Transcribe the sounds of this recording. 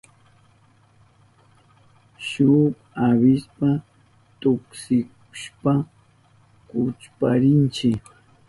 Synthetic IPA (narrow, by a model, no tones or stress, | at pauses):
ʃʊp | aβɪspa | t̪ʊksɪk | ʊ̥ʃpa | kʊt͡ʃpaɾɪnt͡ʃɪk